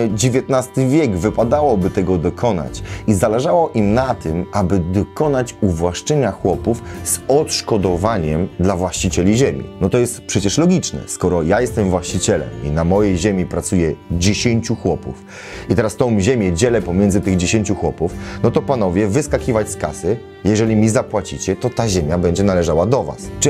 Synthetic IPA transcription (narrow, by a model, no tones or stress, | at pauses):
d͡ʑevʲjet̪nast̪ɘvʲjɛɡvɘpad̪awɔbɘt̪ɛɡɔd̪ɔkʰɔna̰t͡ɕizalɛʐawɔʔimnat̪ɘmabɘd̪ɔkɔnat͡ɕuvwaʂt͡ʂɛɲaxwɔpufz̥ɔt̪ʂkɔd̪ɔvaɲɛmd̪lavwaɕt͡ɕit͡ɕɛlʲiʑemʲḭnɔt̪ɔjɛst̪pʂɛt͡ɕɛʂlɔɡʲit͡ʂnɛ̰skɔɾɔjajɛst̪ɛmvwaɕt͡ɕit͡ɕɛlɛ̰mḭnamɔjejʑemʲipɾat̪sujɛd͡ʑeɕeɲt͡ɕuxwɔpṵf | it̪ɛɾast̪ɔ̃w̃ʑemʲjɛd͡ʑɛlɛpɔmʲjɛ̃ndzɘt̪ɘɣd͡ʑeɕẽɲt͡ɕuxwɔpufnɔt̪ɔpanɔvʲjɛvɘskakʲivat͡ɕskasɘ | jɛʐɛlʲimʲizapwat͡ɕit͡ɕɛt̪ɔt̪aʑemʲjabɛɲd͡ʑɛnalɛʐawad̪ɔva̰s